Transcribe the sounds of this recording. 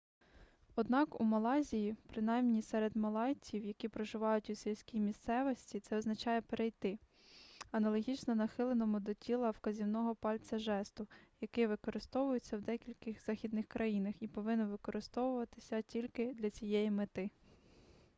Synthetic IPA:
ɔd̪nɑkumɐlˠɑzʲijipɾɪnɑjmnʲisɛɾed̪mɐlˠɑjt͡sʲiwjɐkʲipɾɔʒɪʋɑjʊtʲusʲilʲsʲkʲijmʲist̪sɛʋɔsʲtʲit̪sɛɔznɐt͡ʃɑjɛpeɾʔejt̪ɪ | ɐnɐlˠɔɦʲit͡ʃnɔnɐxɪlˠenɔmʊd̪ɔtʲʰilˠɐwkɐzʲiwnɔɦɔpɑlʲt͡s̪ʲɐʒɛst̪ʊjɐkɪʋɪkɔɾɪst̪ɔʋʊjet͡sʲːɐwd̪ɛkʲilʲkɪxz̥ɑxʲid̪nɪxkɾʔɐjinɐxipɔʋɪnʊʋɪkɔɾɪst̪ɔʋʊʋɐt̪ɪ̥sʲɐtʲilʲkɪd̪lʲɐt͡sʲijɛjimet̪ɪ

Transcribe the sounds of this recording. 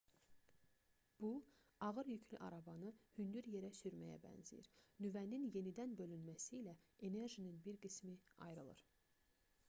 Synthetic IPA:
b̥u | ɑɣɯɾjycʰlyʔɑɾɑbɑnɯhynd̪yɾje̞ɾæsyɾmæjæ̰bæ̰nzḭjḭɾnyvæninje̞nid̪ænbø̞lynmæsiːlæe̞ne̞ɾʒininbiɾɡismiɑ̰jɾɯlˠɯ̰ɾ̥

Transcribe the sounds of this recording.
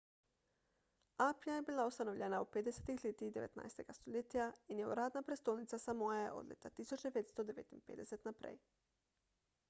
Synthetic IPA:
apjajebiːlˠaost̪ano̞ʋʎʲenauped̪eset̪ixʎʲet̪iːd̪e̞ʋḛt̪na̰jst̪eɡ̥ast̪oʎet̪ijainjeṵɾaːd̪napɾest̪olnit̪sasamojjajḛʔo̰d̪lʲḛt̪at̪isut͡ʃd̪epet̪st̪od̪eʋḛt̪inpḛd̪eset̪napɾḛːj

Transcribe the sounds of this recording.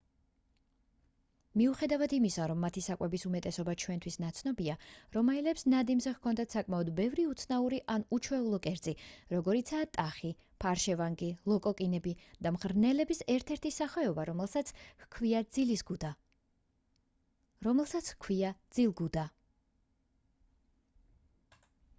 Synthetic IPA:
miuχɛd̪avad̪imisaɾɔmːat̪ʰisakʼwɛbisumɛt̪ʼɛsɔbat͡ʃʰwɛnt̪ʰwisnat̪sʰnɔbiaɾɔmailɛpsnad̪imzɛhkʰɔnd̪at̪ʰsakʼmaɔd̪bɛvɾiut̪sʰnauɾiʔanut͡ʃʰwɛulˠɔkʼɛɾt̪sʼiɾɔɡɔɾit̪sʰat̪ʼaχi | pʰaɾʃɛvaŋɡilˠɔkʼɔkʼinɛbid̪̥amʁɾnɛlɛbisɛɾt̪ʰɛɾt̪ʰisaχɛɔbaɾ | kʰviad̪zilisɡud̪a | ɛlsat̪skʰwiad̪z̥ilˠɡud̪a

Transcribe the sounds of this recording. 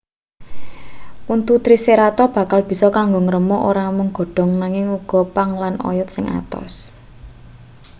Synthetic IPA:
ʔunt̪ut̪ɾiseɾat̪ɔb̥ä̤kalb̥i̤sɔkaŋɡoŋəɾəmɔʔoɾamʊŋɡ̥ɔ̤ɖ̥ɔ̤ŋnaŋɪŋuɡ̥ɔ̤paŋlanɔ̰jɔt̪̚sɪŋʔa̰t̪ɔ̰s

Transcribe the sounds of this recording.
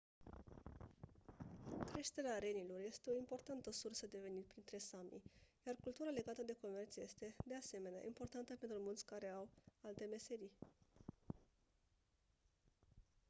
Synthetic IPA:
kɾe̞ʃt̪e̞ɾeaɾe̞nilo̞rje̞st̪e̞o̞impo̞rt̪ant̪əsursəd̪e̞ve̞nit̪̚pɾint̪ɾe̞samḭjarkult̪uɾale̞ɡat̪əd̪e̞ko̞me̞rt̪sje̞st̪e̞d̪e̞ase̞me̞nea̰ʔimpo̞rt̪ant̪əpe̞nt̪ɾumult̪sʲkaɾe̞awalt̪e̞me̞se̞ɾi

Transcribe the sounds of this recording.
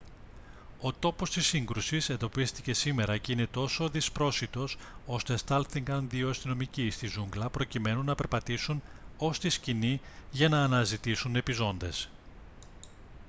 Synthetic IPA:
o̞t̪o̞po̞st̪isiŋɡɾusise̞nd̪o̞pist̪i̥ce̞sime̞ɾɐceine̞t̪o̞so̞ðispɾo̞sit̪o̞so̞st̪est̪ɐlθiŋɡɐnðioɐst̪ino̞micist̪izuŋɡlɐpɾo̞cime̞nunːɐpe̞ɾpɐt̪isuno̞st̪iscini | ʝɐnɐːnɐzit̪isune̞pizo̞nd̪e̞s

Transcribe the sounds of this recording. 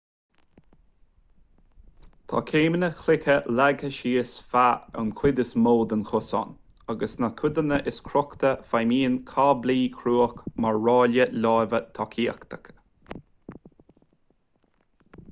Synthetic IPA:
t̪ʰɑ̰kʰeːmənəxlɪkəlaɡəʃiːəsfaa̰wnkʰwɪd̪əsmoːd̪ənxʊsɔ̰n | aɡəsnakʰʊd̪ənəʔɪskʰɾɔkt̪əfajmiːənkʰaːbliːkʰɾuːəkmaɹːɑːljəlaːvət̪ʰɔkʰiːəkt̪ʰə̥k

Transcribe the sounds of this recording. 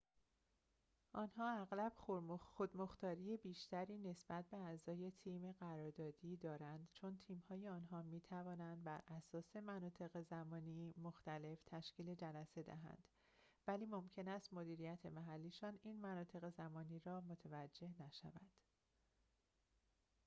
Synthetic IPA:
ʔɒːnhɒːæɣlæb̥xoxod̪moxt̪ɒːɾijebiːʃt̪ʰæɾiːne̞sb̥æt̪̚ʰbe̞æzɒːje̞t̪ʰiːmeɢæɾɒːɾd̪ɒːd̪iːd̪ɒːɾænd̪t͡ʃʰo̞nt̪ʰiːmhɒːjeɒːnɦɒːmiːt̪ʰævɒːnænd̪̚bæɾʔæsɒːse̞mænɒːt̪ʰe̞ɣe̞zæmɒːnimoxt̪æle̞ft̪ʰæʃciːle̞d͡ʒælæse̞d̪æ̰ɦæ̰nd̪̥ | væliːmo̞mcʰe̞næst̪mo̞d̪iːɾijæt̪ʰe̞mæɦælːiːʃɒːniːnmænɒːt̪ʰe̞ɣe̞zæmɒːniːɾɒːmo̞t̪ʰevæd͡ʒːe̞hnæʃæ̰vænd̪̥

